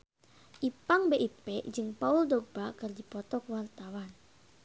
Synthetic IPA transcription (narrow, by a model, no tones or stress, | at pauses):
ʔipaŋbeʔipɛʔd͡ʒɨŋpauldɔɡ̚b̥akɨrdipɔt̪ɔkuwart̪awan